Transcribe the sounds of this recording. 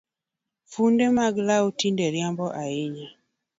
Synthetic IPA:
fundemaɡlaotindeɾjambɔʔaɪɲa

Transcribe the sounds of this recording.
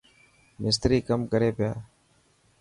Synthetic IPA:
mɪs̬t̪ɾiːkəmkəɾeːpɪjaː

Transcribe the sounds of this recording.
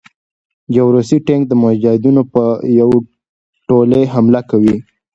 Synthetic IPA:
d͡ʒawɾosiʈeŋk̚d̪əmʊad͡ʒɑhɪd̪unopəjaw | ʈoleɦamlakawi

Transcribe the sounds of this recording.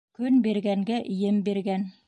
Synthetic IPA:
kɵnbiɾɡæŋɡæʔɵ̆jɘmbiɾɡæn

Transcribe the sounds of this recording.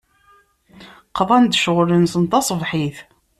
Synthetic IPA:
qðˤɑnd̪ʃʁʊlənsənt̪ɑsˤvħiθ

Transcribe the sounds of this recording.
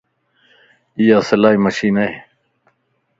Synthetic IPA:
ijaːsɐlaːimɐʃiːnɐe

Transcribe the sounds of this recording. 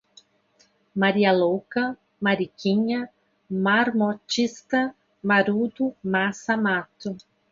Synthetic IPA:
maɾiɐlokɐ | maɾikiɲɐ | maɾmɔt͡ʃist̪ɐ | maɾud̪umasamat̪ʊ

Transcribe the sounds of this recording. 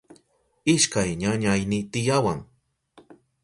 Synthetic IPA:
ɪʃkajɲaɲajnɪt̪ɪjawaŋ

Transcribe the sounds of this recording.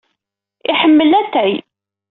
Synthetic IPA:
ɪħəmːəlæt̪ːʕi

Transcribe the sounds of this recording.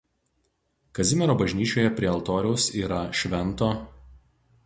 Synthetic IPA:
kɐzʲɪmʲɛɾoːbɐʒʲnʲiːt͡ʃʲoːjɛpʲɾʲiɛɐlˠt̪oːɾʲɛʊsiːɾɐʃʲʋʲɛnˑt̪oː

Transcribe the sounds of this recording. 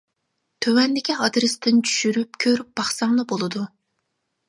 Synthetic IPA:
t̪ʰøwɛnd̪ɪkʲiɑd̪ɾɨst̪ʰɪnt͡ʃʰy̥ʃyɾypkʲʰøɾyp̚b̥ɑχsɑŋnˠɨbolˠɨd̪u

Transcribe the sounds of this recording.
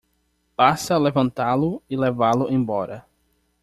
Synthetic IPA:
pasɐlevɐ̃nt̪alʊɪlevalʊʔẽbɔɾɐ

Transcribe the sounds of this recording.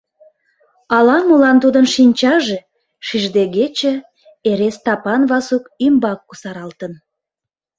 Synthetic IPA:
ɑlɑmulɑnt̪ud̪ənʃinʲt͡ɕɑʒe | ʃiʒd̪eɡet͡ɕĕ | eɾest̪ɑpɑnβɑsukymbɑkːusɑɾɑlt̪ən

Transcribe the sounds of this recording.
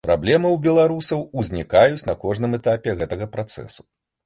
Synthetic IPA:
pɾa̰blʲɛmɨwbʲɛlˠaɾusɐwuzʲnʲikajut͡sʲnɐkɔʐnɨmɛt̪apʲɛɣɛt̪ɐɣɐpɾat̪sɛ̰su̥

